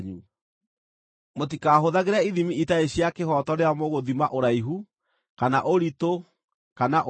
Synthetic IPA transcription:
ɲu | mot̬ikaɦoðaɣeɾaiðimiitaeɕjakeɦɔtɔɾeamoɣoðimaʔoɾaiɦu | kanaʔoɾito | kanaʔ

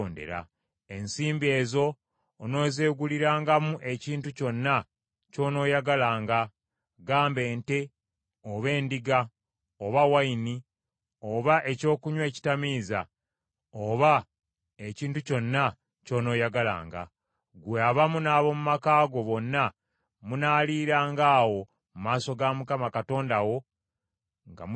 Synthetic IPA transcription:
nde̞̰ɾa̰ | e̞nsiːmbie̞ːzo̞ː | no̞ːzeːɡuliɾaːŋɡamuʔe̞ciːntuco̞nːa | co̞ːno̞ːjaɡalaːŋɡa | ɡaːmbe̞ːnte̞ | oβe̞ːndiɡa | oβawaini | oβaʔe̞co̞ːkuɲwe̞ːci̥tamiːza | oβa | eciːntuco̞nːa | co̞ːno̞ːjaɡala̰ːŋɡa̰ | ɡweaβamunaːβo̞mumakaːɡo̞βo̞nːa | munaːliːɾaːŋɡaːwo̞ | mumaːso̞ɡamukamakato̞ːndawo̞ | ŋɡa̰m

